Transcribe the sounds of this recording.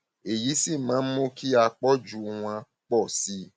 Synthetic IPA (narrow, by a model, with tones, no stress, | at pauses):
e˨ji˨˦si˦˨mã˨˦mõ˦kʰi˦a˧k͡pɔ˦d͡ʒu˦w̃ã˧ | k͡pɔ˦˨si˦